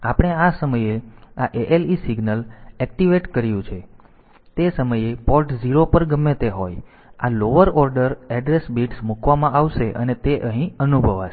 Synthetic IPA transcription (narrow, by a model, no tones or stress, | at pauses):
apɽ̃easəməjeaʔeʔelisiɡnəlɛk̚ʈiʋeʈkəɾijũt͡ʃʰe | t̪esəməjepɔlʈd͡ʒiɾopəɾɡəmːet̪eɦoj | a̰loʋəɾɔɾɖəɾɛɖɾesbiʈsmukʰʋamãʔaʋʃeʔə̰net̪eʔəɦĩənubʱəʋa̰ʃ